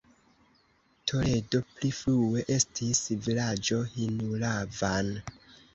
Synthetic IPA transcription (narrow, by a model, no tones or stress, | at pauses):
tʰo̞le̞do̞pliflue̞ʔe̞stʰisvilad͡ʒo̞hinulavan